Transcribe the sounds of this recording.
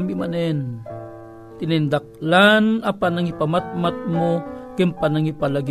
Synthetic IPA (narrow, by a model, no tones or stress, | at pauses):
mimanɛn | t̪ɪnɪnd̪ak̚lanapanaŋipamat̪̚mat̪̚mokɪmpanaŋipalaɡ